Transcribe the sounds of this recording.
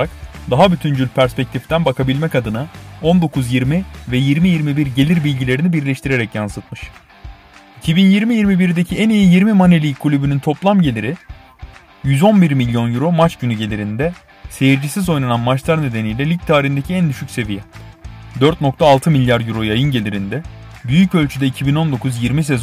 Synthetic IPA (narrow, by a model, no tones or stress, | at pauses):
ɾak̚ | d̪aɦabyt̪ʰynd͡ʒylʲpʰæɾspɛc̚t̪ʰift̪ʰænbakʰabilʲmɛcad̪ɯnao̞nd̪o̞kʰuzjiɾmivɛjiɾmijiɾmibiɾɟe̞lʲiɾbilʲɟilʲe̞ɾinibiɾlʲɛʃt̪ʰiɾe̞ɾɛcjansɯt̪̚mɯʃ | icʰibinjiɾmijiɾmibiɾid̪e̞cʰiænijijiɾmimanelʲiːkʰːulʲybynynt̪ʰo̞plˠamɟe̞lʲiɾɪ | jyzo̞nbiɾmilʲjo̞njyɾo̞mat͡ʃɟynyɟe̞lʲiɾind̪ɛ | se̞jiɾd͡ʒisizo̞jnananmat͡ʃlˠaɾne̞d̪enijlʲɛlʲic̚t̪ʰaːɾind̪e̞cʰiænd̪yʃycʲse̞vijɛd̪øɾt̪̚no̞kt̪ʰaːlˠt̪ʰɯmilʲjaɾjyɾo̞jajɯnɟe̞lʲiɾind̪ɛ | byjycø̞lʲt͡ʃʰyd̪ɛicʰibino̞nd̪o̞kʰuzjiɾmis̬e̞z